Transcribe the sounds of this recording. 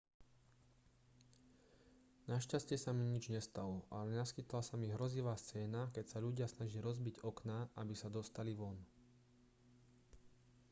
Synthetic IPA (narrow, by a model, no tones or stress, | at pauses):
naʃcascɪɛsamiɲid͡ʒɲɛst̪alɔʔalɛnaskit̪lasamiɦɾɔziʋaːst͡sɛːnakɛcsaʎuɟɪasnaʒiiɾɔzbiɟɔknaʔabisad̪ɔst̪aliʋɔn